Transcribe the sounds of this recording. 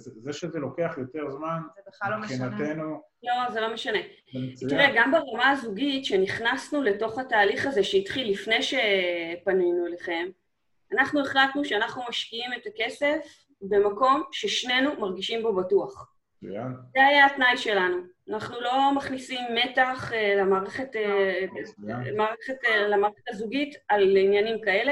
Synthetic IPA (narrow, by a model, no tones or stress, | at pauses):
zeʃezelo̞keaχjo̞t̪e̞ʁzmanbeaoχinatenu | lo̞ze̞lo̞meʃane̞ | t̪iʁeɡambaʁamaazuɡitʃe̞niχnasnule̞to̞χhataːliχaze̞ʃeitχilːifne̞jʃe̞panujnueleχe̞m | anaχnueχlatnuʃeanaχnumaʃkiime̞take̞se̞f | be̞mako̞mʃe̞ʃne̞numaʁɡiʃimbo̞batuaχ | zeajaːtnajʃe̞lanuanaχnulo̞maχnisimːe̞taχlamaːʁeχe̞te | maːʁeχetlamaːʁeχetazuɡitalinjanimkae̞le